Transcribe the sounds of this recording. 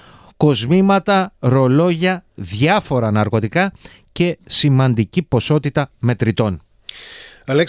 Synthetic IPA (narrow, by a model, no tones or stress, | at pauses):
ko̞zmimɐt̪ɐɾo̞lo̞ʝɐðʝɐfo̞ɾɐnɐɾko̞t̪ikɐ | ce̞simɐnd̪icipo̞so̞t̪it̪ɐme̞t̪ɾit̪o̞n | ɐlek